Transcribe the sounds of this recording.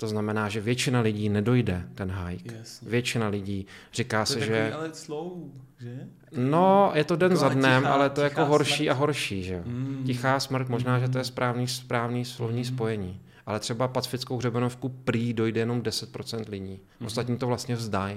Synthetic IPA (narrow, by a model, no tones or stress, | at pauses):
t̪o̞znamɛnaːʒɛvjɛt͡ʃɪnalɪɟiːnɛdo̞jdɛt̪ɛnɦajkvjɛt͡ʃɪnalɪɟiːrɪkaːsɛʒɛaɛslo | ɛ | nojɛt̪o̞dɛnzadnɛmʔa̰lɛt̪ojakoɦo̞ɾʃiːʔaɦo̞ɾʃiːʒɛocɪxaːsmr̩t̪mo̞ʒnaːʒɛt̪̬ojɛspɾaːvniːspɾaːvniːslovɲiːspo̞jɛɲiː | ʔalɛt̪r̝̥ɛbapat͡sfɪt͡skowɦrɛbɛnofkupɾiːdo̞jdɛjɛno̞mdɛsɛt̪̚pɾo̞t͡sɛnt̪lɪɟiː | ʔʔost̪at̪ɲiːt̪ovlast̪ɲɛvzdaj